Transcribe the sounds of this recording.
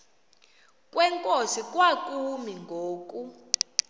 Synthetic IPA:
kʼwɛŋkʼosik̬ʼwakʼumiŋɡʱoːk̬ʼu

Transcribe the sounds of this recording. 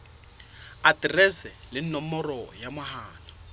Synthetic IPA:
atirɛsɛlɪn̩nɔmɔrɔjamʊhaːna

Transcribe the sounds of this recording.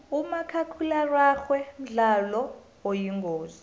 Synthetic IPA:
umakʰakʰularwaxwɛm̩ɮalɔ | wojiŋɡʱoːzi

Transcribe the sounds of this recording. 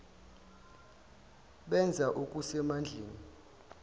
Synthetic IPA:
ɓɛnd͡zʱaʔukʼusɛmand͡ɮʱeːni

